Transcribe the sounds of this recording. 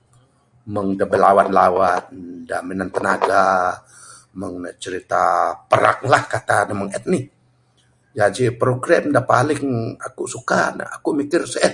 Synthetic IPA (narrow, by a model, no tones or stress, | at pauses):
məŋdəbɛlawan̚lawandaminant̪ənaɡa | məŋnət͡ʃəɾit̪apəɾa̰k̚lahkat̪anəməŋɛt̪̚nɪh | d͡ʒad͡ʒipɾoɡɾamdapalɪŋakusukan̰a̰kumikɪrsəɛt̪̚